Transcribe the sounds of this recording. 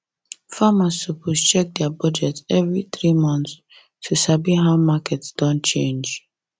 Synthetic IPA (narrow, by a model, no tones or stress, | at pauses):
famasupust͡ʃɛk̚dɛabɔd͡ʒɛtɛvɹiθɹimɔ̃nts | tʰːusabiɦaʊmakʰɛtsd̥ɔ̃nt͡ʃẽnd͡ʒ